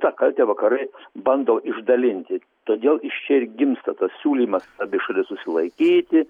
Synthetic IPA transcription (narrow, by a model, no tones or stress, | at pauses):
t̪ɑkɐlʲt̪ʲɛːʋɐkɐɾɐɪbɐnd̪oːʔɪʒd̪ɐlʲɪnʲt̪ʲɪ | t̪oːd̪ʲeːlˠɪʃt͡ʃʲɛɪɾɡʲɪmst̪ɐt̪ɐssʲuːlʲiːmɐsɐbʲɪʃɐlʲɪssʊsʲɪlˠɐɪkʲiːt̪ʲɪ